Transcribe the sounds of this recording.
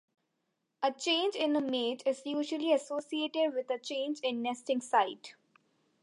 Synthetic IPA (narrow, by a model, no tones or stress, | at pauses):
ət͡ʃẽːnd͡ʒɪ̃nəmeːd͡ʒɪzjuːʒəliəsoːsieːʈɪɖʋɪd̪ət͡ʃẽːnd͡ʒɪ̃nːɛsʈɪ̃ŋsaɪʈ